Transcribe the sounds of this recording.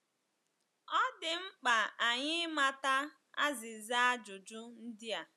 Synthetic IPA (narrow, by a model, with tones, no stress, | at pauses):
ɔ˦dɪ˨m̩˦k͡pa˨a˨ɲɪ˦ma˨ta˦ | a̰˦zɪ˨za˦a˦d͡ʒʊ˨d͡ʒʊ˦n̩˦dɪ˦a˨